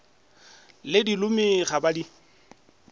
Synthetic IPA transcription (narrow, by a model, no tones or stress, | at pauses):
lɪdilʊmiχabadi